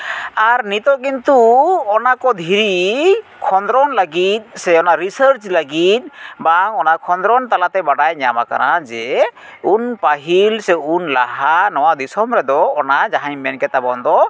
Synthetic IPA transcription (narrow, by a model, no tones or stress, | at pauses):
aɾnit̪ɔk̬int̪uɔnakɔd̪ʱiɾikʰɔnd̪ɾɔnlaɡit̪̚sɛɔnaɾisəɾt͡ʃlaɡit̪̚baŋɔnakʰɔnd̪ɾɔnt̪alat̪ɛbaɖajɲama̰ka̰ɾad͡ʒɛunpaɦilsɛunlaɦanɔwad̪isɔmɾɛd̪ɔːnad͡ʒaɦajmɛnkɛt̪abɔnd̪ɔ